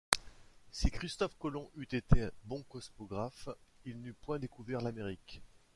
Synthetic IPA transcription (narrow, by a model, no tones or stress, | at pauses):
sikχist̪ɔfkɔlɔ̃ʔyt̪et̪ʰebɔ̃kɔsmɔɡʁafilnypwɛ̃d̪ekuvɛʁlameʁik